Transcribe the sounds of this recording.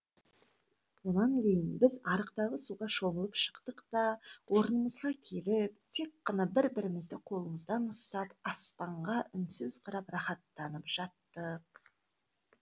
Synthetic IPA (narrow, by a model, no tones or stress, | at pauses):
wonɑŋkʲʰe̞jɪnbɪzɑɾəqt̪ɑʁəsuʁɑʃo̞bəlˠəpʃə̥qt̪əqt̪ɑwo̞ɾənəməzʁɑkʲʰe̞lɪp̚t̪ʰe̞kːɑnɑbɪɾbɪɾɪmɪzd̪ɪqʰo̞lˠəməzd̪ɑnʊst̪ɑpɑspɑɴʁɑʔʏnsʏzqʰɑɾɑprɑχɑt̪ːɑnəpʒ̥ɑt̪ːə